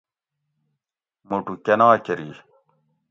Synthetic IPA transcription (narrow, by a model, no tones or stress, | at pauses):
moʈukenaːkeɾi